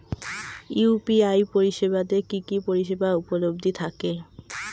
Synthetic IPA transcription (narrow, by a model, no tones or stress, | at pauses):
upiajpoɾiʃebad̪ekikipoɾiʃebaupolob̚d̪ʱit̪ʰake